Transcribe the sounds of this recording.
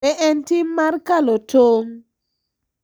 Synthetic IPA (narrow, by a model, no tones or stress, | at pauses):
ɛʔɛntimaɾkalɔtoŋ